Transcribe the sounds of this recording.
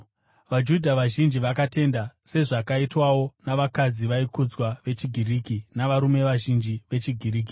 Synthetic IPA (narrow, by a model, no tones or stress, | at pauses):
ʋad͡ʒudʱaʋaʒind͡ʒiʋakate̞ndase̞ʐakaitwawo̞naʋakad͡ziʋaikud͡zwaʋe̞t͡ʃiɡʱiriːkinaʋaɾume̞ʋaʒind͡ʒiʋe̞t͡ʃiɡʱiriːk̬i̥